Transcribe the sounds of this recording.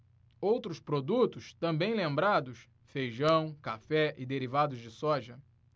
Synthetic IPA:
owt̪ɾʊspɾod̪ut̪ʊst̪ɐ̃mbẽj̃lẽmbɾad̪ʊs | fejʒɐ̃w̃kafɛʔɪd̪eɾivad̪ʊzd͡ʒɪsɔʒɐ

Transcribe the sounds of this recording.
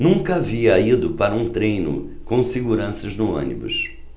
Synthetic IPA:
nũŋkɐaviɐid̪ʊpaɾɐũt̪ɾejnʊ̰ | kõw̃seɡuɾɐ̃sɐznʊõ̰nḭbʊ̰s

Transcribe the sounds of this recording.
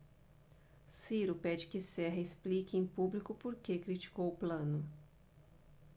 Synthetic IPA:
siɾʊpɛd͡ʒɪkɪsɛɦɐesplikɪẽj̃publikʊpoɾkekɾit͡ʃi̥kowʊplɐ̃nʊ

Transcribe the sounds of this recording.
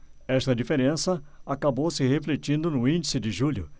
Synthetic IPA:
ɛst̪ɐd͡ʒifeɾẽsɐakabowsɪɦeflet͡ʃĩnd̪ʊnʊĩnd͡ʒisɪdɪʒuʎʊ̰

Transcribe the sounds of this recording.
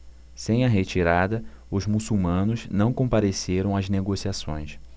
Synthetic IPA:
sẽj̃ɐɦet͡ʃiɾad̪ɐ | ʊzmusuwmɐ̃nʊznɐ̃w̃kõmpaɾeseɾɐ̃w̃ɐzneɡosiasõ̰j̃s

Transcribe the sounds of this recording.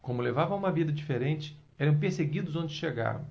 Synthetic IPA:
kõmʊlevavɐ̃ɐ̃ũmɐvid̪ɐd͡ʒifeɾẽnt͡ʃɪ̥ | ɛɾɐ̃w̃peɾseɡid̪ʊzõnd͡ʒɪʃeɡa̰vɐ̰̃w̃

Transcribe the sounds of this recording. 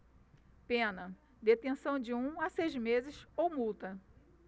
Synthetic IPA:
pẽnɐ | d̪et̪ẽsɐ̃w̃d͡ʒɪũasejzmezɪsowmuwt̪ɐ

